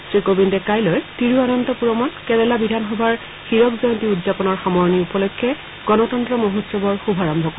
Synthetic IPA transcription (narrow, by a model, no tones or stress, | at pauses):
sɹikobindɛkajlojtiɹuanɔntɔpuɹɔmankɛɹɛlabidʱanxɔbʱaɹ | xiɹɔkzɔjɔntiudzapɔnɔɹxamɔɹniupɔlɔjkʰːɛ | ɡ̥ɔnɔtɔntɹɔmɔɦɔsɔbɔɹxubʱaɹɔmbʱɔko